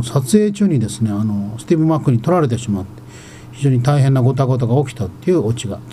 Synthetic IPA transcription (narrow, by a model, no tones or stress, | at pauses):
sat͡sɨeːt͡ɕɨːɲ̟id̪e̞sɨne̞ano̞sɨ̥t̪ibɯ̟makːɯ̟ɲ̟it̪o̞ɾaɾe̞t̪̬e̞ɕimat̪ːe | çiʑo̞ːɲ̟it̪aiɦenːaɡo̞t̪̬aɡo̞t̪̬oɡao̞kʲi̥t̪at̪ːeiɯ̟ot͡ɕiɡa̰